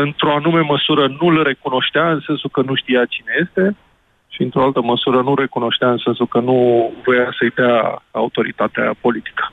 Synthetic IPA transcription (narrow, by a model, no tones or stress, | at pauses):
ɨnt̪ɾo̞anume̞məsuɾənulre̞kuno̞ʃt̪eaɨnse̞nsukənuʃt̪ijat͡ʃine̞je̞st̪e̞ | ʃiɨnt̪ɾo̞alt̪əməsuɾənulre̞kuno̞ʃt̪eaɨnse̞nsukənuvojasəjd̪eaa̰ut̪o̞ɾḭt̪at̪ea̰po̞lit̪i̥kə̥